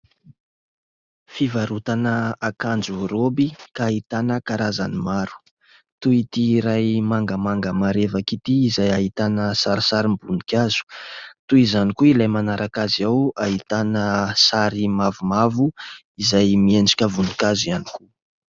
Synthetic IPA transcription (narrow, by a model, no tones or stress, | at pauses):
fivaɾut̪anəakand͡ʒuɾobikaːɦit̪anəkaɾaza̰nimaɾu̥ | t̪uit̪iɾajmaŋɡəmaŋɡəmaɾevakit̪iːzajaɦit̪anəsaɾisaɾimbunikʲaz̥u̥t̪uizanikuilajmanaɾʔakaziawaɦit̪anəsaɾimavumavu | izajmiend͡ʒi̥kʲəvund̪i̥kazianiku